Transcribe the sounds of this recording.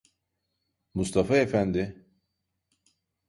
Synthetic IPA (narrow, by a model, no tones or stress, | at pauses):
must̪ʰafaefænd̪ɪ